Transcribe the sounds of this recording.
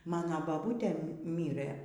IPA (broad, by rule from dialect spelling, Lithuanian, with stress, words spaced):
ˈmɑːnoː bɐˈbuːtʲeː ˈmʲiːrɘ